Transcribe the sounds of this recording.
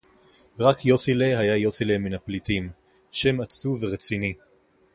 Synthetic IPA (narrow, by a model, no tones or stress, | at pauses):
ʁakjo̞silehajajo̞sileminaplitim | ʃe̞mat͡suveʁet͡sini